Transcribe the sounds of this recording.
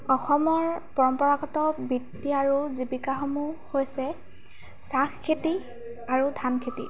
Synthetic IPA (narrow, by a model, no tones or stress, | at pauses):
ɔxɔmɔɹpɔɹɔmpɔɹaɡɔtɔbitːiaɹuzibikaxɔmuhojsɛ | saxkʰːeti | aɹudʱankʰetḭ